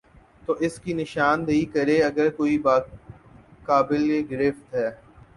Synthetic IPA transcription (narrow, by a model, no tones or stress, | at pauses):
t̪oːʔɪskinɪʃaːnd̪ɐikɐɾeɐɡəɾkoːibaː | kaːbɪleɡɾɪft̪ɦɛː